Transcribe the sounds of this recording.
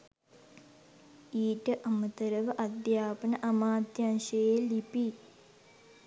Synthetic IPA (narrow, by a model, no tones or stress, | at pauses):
iːʈɨʔɐmɐt̪ɐɾɐʋɐʔɐd̪jaːpɐnɐʔɐmaːd̪janʃɐjelipi